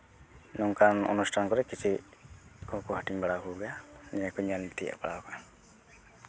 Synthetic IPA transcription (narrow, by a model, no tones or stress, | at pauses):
nɔŋkanɔ̰nusʈʰankɔɾɛkit͡ʃʰi | kɔhkuɦaʈiŋbaɽakuɡanɛakɔɲanit̪ia̰ʔbaɽaɔka